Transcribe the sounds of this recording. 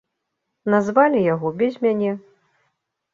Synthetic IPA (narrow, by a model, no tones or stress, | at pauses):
nazvalʲijaɣɔbʲɛzʲmʲanʲɛ